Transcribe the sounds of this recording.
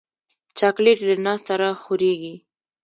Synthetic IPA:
t͡ʃakleʈlənɑst̪aɾaxʊɾeɡi

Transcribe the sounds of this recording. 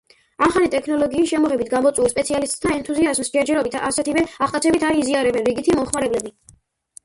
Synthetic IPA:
amχalit̪ʼɛkʰnɔlˠɔɡiːsʃɛmɔʁɛbit̪ʰɡamɔt̪sʼwuɛspʼɛt̪sʰialist̪ʼt̪ʰaɛnt̪ʰuziazmsd͡ʒɛɾd͡ʒɛɾɔbit̪ʰasɛt̪ʰivɛaχt̪ʼat̪sʰɛbit̪ʰaɾiziaɾɛbɛnɾiɡit̪ʰimɔmχmaɾɛblɛbi

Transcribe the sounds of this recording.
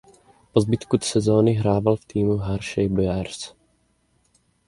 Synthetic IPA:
pɔzbit̪kut̪sɛzɔːniɦɾaːʋalft̪iːmuɦaɾʃɛjbɔjaːɾs

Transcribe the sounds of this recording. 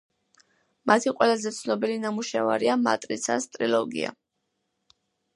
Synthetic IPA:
mat̪ʰiqʼwɛlazɛt̪sʰnɔbilinamuʃava̰ɾiama̰t̪ʼɾit̪sʰa̰st̪ʼɾilɔɡḭa̰

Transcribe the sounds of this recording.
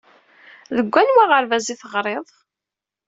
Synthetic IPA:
ðəɡʷːænwaʁəɾvæziθəʁɾˤeðˤ

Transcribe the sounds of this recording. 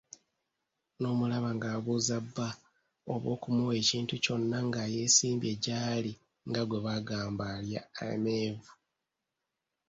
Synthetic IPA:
no̞ːmulaβaŋɡaːβuːzabːa | oβo̞̰ːkumuwe̞ːciːntuco̞nːaŋɡaje̞ːsiːmbje̞ɟaːli | ŋɡaɡwe̞βaɡaːmbaljaḛme̞ːvu

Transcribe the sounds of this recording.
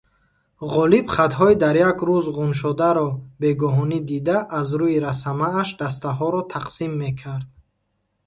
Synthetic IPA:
ʁɔlibχat̪ɦɔid̪aɾjakʰɾuzʁunʃ̬ɔd̪aɾɔbe̞ɡɔɦɔnid̪id̪aʔːzɾuiɾasamaːʃd̪as̬t̪aɦɔɾɔt̪ʰaqsimːe̞kʰaɾd̪̚

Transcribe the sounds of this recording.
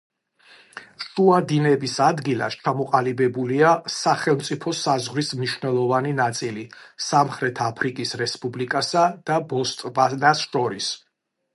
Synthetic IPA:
ʃuad̪inɛbisad̪ɡilˠa̰st͡ʃʰamɔqʼalibɛbuliasaχɛlˠmt̪sʼipʰɔsazʁɾismniʃvnɛlˠɔvaninat̪sʼilisamχɾɛt̪ʰapʰɾikʼisɾɛspʼublikʼasad̪̥abɔst̪ʼvanasʃɔɾis

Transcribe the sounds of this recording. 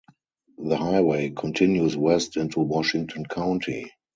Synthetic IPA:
ðəhaɪweɪkʰɔ̃ntʰɪ̃njuswɛstɪ̃ntuwɔʃɪ̃ŋ̚tʰɔ̃nkʰãʊ̃ntʰḭ

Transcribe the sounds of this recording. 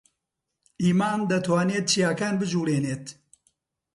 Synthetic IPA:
iːmaːnd̪ɐt̪waːneːt̪̚t͡ʃijaːkaːnbɨd͡ʒuːleːneːt̪

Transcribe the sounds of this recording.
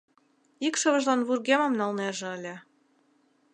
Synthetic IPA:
ikʃɤ̆βə̆ʒlɑnβurɣemɑmnɑlneʒĕə̆lʲĕ

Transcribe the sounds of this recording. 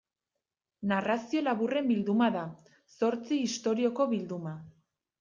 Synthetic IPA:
narasio̞laβure̞mbild̪umaða | so̞ɾt͡siːst̪o̞ɾio̞ko̞βild̪uma

